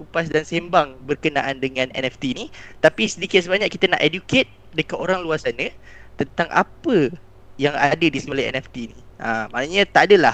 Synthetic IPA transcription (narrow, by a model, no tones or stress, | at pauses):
kupasdansembaŋbərkənaʔandəŋãnɛ̰nɛft̪init̪apisədikɪt̪̚səbaɲaʔkːit̪əna̰ʔeduket̪̚ | dəkat̪oɾaŋluarsanət̪ənt̪aŋʔa̰pə | jaŋa̰dədisəkolajɛ̰nɛft̪iniʔamã̰ʔnəɲə̃t̪aʔadəlah